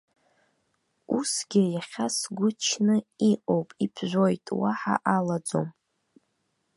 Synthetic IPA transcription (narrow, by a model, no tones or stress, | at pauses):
usɡʲɪjaχʲasɡʷʊt͡ʃʰnɨiʔʼo̞wpʼipʰʒᶣʷo̞jtʼwaħa̰ʔalad͡zo̞̰m